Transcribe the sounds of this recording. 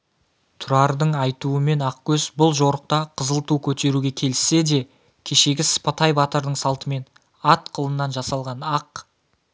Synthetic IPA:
t̪ʰʊɾɑɾd̪əɴɑjt̪uəme̞nɑq̚kʲʰɵzbʊlˠʒo̞ɾəq̚t̪ɑqʰəzəlˠt̪ukʲʰɵt̪e̞ɾuɡʲe̞kʲʰe̞lɪsːe̞d̪e̞ | kʲʰe̞ʃe̞ɡʲɪsə̥pɑt̪ɑjbɑt̪əɾd̪əɴsɑlˠt̪əme̞n | ɑt̪qʰəlˠənːɑnʒɑsɑlˠʁɑnɑq

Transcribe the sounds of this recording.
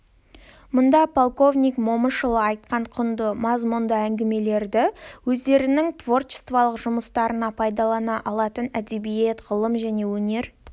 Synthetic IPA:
mʊnd̪ɑpʰolˠko̞vnʲijkmo̞mənʃəlˠəɑjt̪̚qɑɴqʰʊnd̪əmɑzmʊnd̪əæŋɡʲɪme̞le̞ɾd̪ɪwɵzd̪e̞ɾɪnɪŋt̪ʰvo̞rt̪ʃə̥st̪vɑlˠəqʒʊməst̪ɑɾənɑpʰɑjd̪ɑlˠɑnɑʔɑlˠɑt̪ənæd̪e̞bije̞t̪ʁəlˠəmʒæne̞wɵne̞ɾ

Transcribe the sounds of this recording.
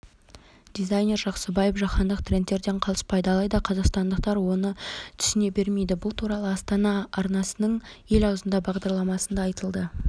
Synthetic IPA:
d̪ijzajnʲe̞rʒɑqsəbɑjepʒɑχɑnd̪əqt̪ʰre̞nt̪ːe̞ɾd̪e̞ɴqʰɑlˠəspɑjd̪əɑlˠɑjd̪ɑqʰɑzɑqst̪ɑnd̪əq̚t̪ɑɾwo̞nət̪ʰʏ̥sɪne̞be̞ɾme̞jd̪ɪbʊlˠt̪ʰuɾɑlˠəɑst̪ɑnɑɑɾnɑsənəɴe̞lɑwzənd̪ɑbɑʁd̪ɑɾlˠɑmɑsənd̪ɑːjt̪əlˠd̪ə

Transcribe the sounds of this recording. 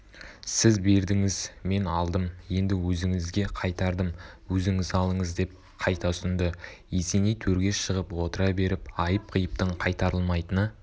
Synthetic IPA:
sɪzbe̞ɾd̪ɪŋɪzme̞nɑlˠd̪əmje̞nd̪ɪwɵzɪŋɪzɡʲe̞qʰɑjt̪ɑɾd̪əmwɵzɪŋɪzɑlˠəɴəzd̪e̞p̚ | qʰɑjt̪ɑsʏnd̪ɪjese̞nejt̪ʰɵɾɡʲe̞ʃəʁəpwo̞t̪əɾɑbe̞ɾɪpɑjəp̚qʰəjəp̚t̪əɴqʰɑjt̪ɑɾəlˠmɑjt̪ənə

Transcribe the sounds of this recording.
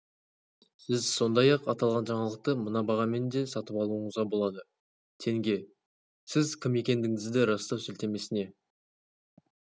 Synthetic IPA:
sɪzso̞nd̪ɑjɑqɑt̪ɑlˠʁɑnʒɑɴɑlˠəq̚t̪əmənɑbɑʁɑme̞nd̪e̞sɑt̪əpɑlˠuəɴəzʁɑbo̞lˠɑd̪ə | t̪ʰe̞ŋɡʲe̞ | sɪzkʲʰɪme̞kʲe̞nd̪ɪŋɪzd̪ɪɾɑst̪ɑwsʏlt̪e̞me̞sɪne̞

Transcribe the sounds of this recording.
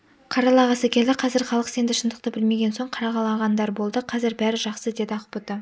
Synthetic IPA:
qʰɑɾɑlˠɑʁɑsækʲe̞ld̪ɪqʰɑzɪɾχɑlˠəqse̞nd̪ɪʃənd̪əqt̪əbɪlme̞ɡʲe̞nso̞ɴqʰɑɾɑʁɑlˠɑʁɑnd̪ɑɾbo̞lˠd̪əqʰɑzɪɾbæɾɪʒɑχsəd̪e̞d̪ɪɑqəpʊt̪ːə

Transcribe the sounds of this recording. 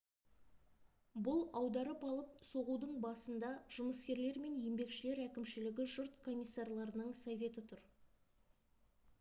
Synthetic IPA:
bʊlˠɑwd̪ɑɾəpɑlˠəp̚so̞ʁud̪əɴbɑsənd̪ɑʒ̥ʊməskʲe̞ɾle̞ɾme̞nje̞mbe̞kʃɪle̞ɾækʲɪmʃɪlɪɡʲɪʒʊɾt̪kʰo̞mʲijsːarlˠɑɾənəɴsovʲe̞t̪ɪt̪ʰʊɾ

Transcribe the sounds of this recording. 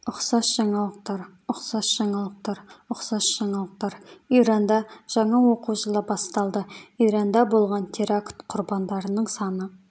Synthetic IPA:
ʊqsɑsʒ̥ɑɴɑlˠəqt̪ɑɾʊqsɑsʒ̥ɑɴɑlˠəq̚t̪ɑɾʊqsɑsʒ̥ɑɴɑlˠəq̚t̪ɑɾijɾɑnd̪ɑʒ̥ɑɴɑwo̞quʒəlˠəbɑst̪ɑlˠd̪əiɾɑnd̪ɑbo̞lˠʁɑnt̪ʲʰeɾakt̪qʰʊɾbɑnd̪ɑɾənəɴsɑnə

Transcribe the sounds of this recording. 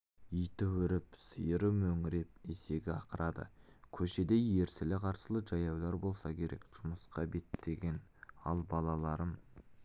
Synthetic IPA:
ijt̪ɪwʏɾɪpsəjəɾəmɵŋɪɾe̞p̚ese̞ɡʲɪɑqəɾɑd̪ə̰kʲʰɵʃe̞d̪e̞jːe̞ɾsɪlɪqʰɑɾsəlˠəʒɑjɑwlˠɑɾbo̞lˠsɑkʲʰe̞ɾʔe̞̰kʒ̥ʊməsqɑbe̞t̪ːe̞ɡʲe̞nɑ̰lˠbɑlˠɑlˠɑɾəm

